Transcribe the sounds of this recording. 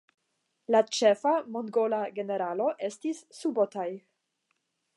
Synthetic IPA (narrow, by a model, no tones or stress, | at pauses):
lat͡ʃe̞famo̞ŋɡo̞laɡe̞ne̞ɾalo̞ʔe̞stisːubotaj